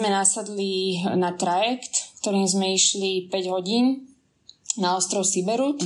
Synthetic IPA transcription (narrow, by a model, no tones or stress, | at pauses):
mɛnasad̪linat̪ɾajɛkt̪kt̪ɔɾiːmzmɛiʃlipɛɟɦɔɟiːn | naɔst̪ɾɔʊsibɛɾut̪